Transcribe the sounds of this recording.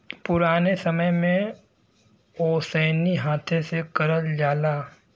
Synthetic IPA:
pʊɾaːnesɐməjmẽ | oːsɛːniɦaːt̪ʰẽsekɐɾəld͡ʒaːlaː

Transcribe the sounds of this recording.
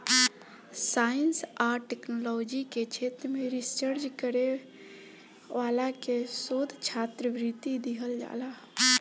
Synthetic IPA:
sajənsaʈeknolɔd͡ʒiket͡ʃʰet̪ɾəmeɾisəɾd͡ʒkəɾe | ʋalakesod̪ʱt͡ʃʰat̪ɾəʋɾit̪id̪iɦəld͡ʒa̰la

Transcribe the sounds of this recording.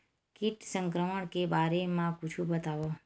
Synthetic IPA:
kiʈsəŋkɾəməɳkebaɾemãkut͡ʃʰũbət̪aʋo

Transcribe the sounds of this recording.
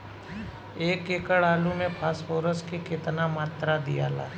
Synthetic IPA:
eːkekəɽaːlumẽpʰaːspoːɾəskekɪt̪namaːt̪ɾad̪ija̰ːla̰ː

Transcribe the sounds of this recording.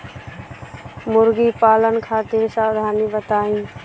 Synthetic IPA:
mʊɾɡiːpaːlənkʰaːt̪ɪɾsaːʋd̪ʱaːniːbət̪aːĩː

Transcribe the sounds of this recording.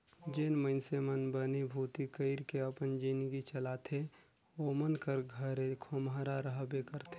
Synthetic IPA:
d͡ʒeːnməɪnsemənbənibʱuːt̪ikəɪɾkeəpənd͡ʒinɡit͡ʃəlat̪ʰe | omənkəɾɡʱəɾekʰomɦaɾaɾəɦbekəɾt̪ʰe

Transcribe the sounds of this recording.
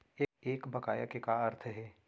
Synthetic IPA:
eeːkbɐkaːjakekaɐɾt̪ʰɦɛː

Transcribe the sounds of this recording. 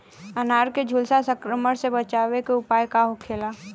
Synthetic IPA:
ənaːɾked͡ʒʱulsasə̃kɾəməɽsebət͡ʃaːwekeʊpaːjkaɦokʰeːla

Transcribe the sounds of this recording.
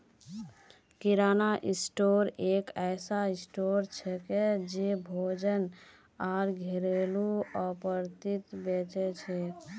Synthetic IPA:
kiɾanaʔisʈoɾekajsaisʈoɾt͡ʃʰɛked͡ʒebʱod͡ʒən | aɾɡʱeɾeluəpəɾt̪it̪bet͡ʃɛt͡ʃʰɛ

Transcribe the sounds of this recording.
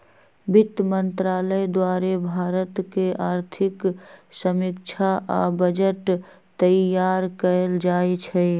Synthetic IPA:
bit̪mənt̪ɾaːləjd̪waɾebʱaɾət̪keʔaːɾt̪ʰiksəmikt͡ʃʰaʔa̰bəd͡ʒəʈ | t̪əjaɾkəeld͡ʒaet͡ʃʰɛ

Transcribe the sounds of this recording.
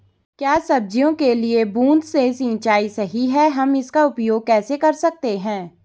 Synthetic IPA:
kjaːsɐb̚d͡ʒijõkeliebũːnd̪sesĩːt͡ʃaːisɐɦiɦɛɦɐmɪskaʊpjoːɡ̚kɛːsekɐɾsɐk̚t̪eɦɛ̃ː

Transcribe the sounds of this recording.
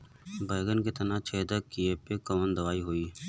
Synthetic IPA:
baːjɡənket̪ɐnat͡ʃʰeːd̪əkieːpekɐmənd̪ɐʋaːiɦoːiː

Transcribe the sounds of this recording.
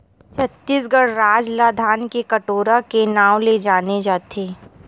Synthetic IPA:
t͡ʃʰət̪ːiːsɡəɽɾaːd͡ʒlad̪ʱaːnkekəʈoːɾakenaːʋled͡ʒaːned͡ʒaːt̪ʰeː

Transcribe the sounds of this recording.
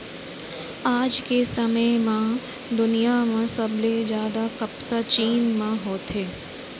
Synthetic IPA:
aːd͡ʒkesɐməjmã | d̪ʊnijamãsɐbled͡ʒjaːd̪akɐpsat͡ʃiːnmãɦoːt̪eː

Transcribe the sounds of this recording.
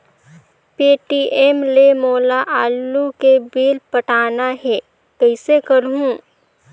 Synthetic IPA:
peːʈiːʔeːmlemoːlaʔaːlːukebiːlpɐʈaːnaɦɛː | kɐɪsekɐɾɦũː

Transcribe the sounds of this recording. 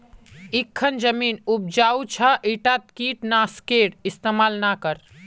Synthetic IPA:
ikʰːənd͡ʒəminub̚d͡ʒaut͡ʃʰaʔiʈat̪̚kiʈnaskeɽist̪emalnakəɾ

